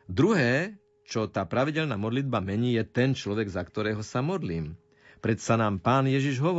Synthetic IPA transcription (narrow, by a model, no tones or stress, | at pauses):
d̪ɾuɦɛː | t͡ʃɔt̪aːpɾaʋiɟɛlnamɔd̪lid̪̚bamɛɲiːjɛt̪ɛnt͡ʃlɔʋɛɡzakt̪ɔɾɛːɦɔsamɔd̪liːm | pɾɛt̪sanaːmpaːnjɛʒiʒɦɔʋɔ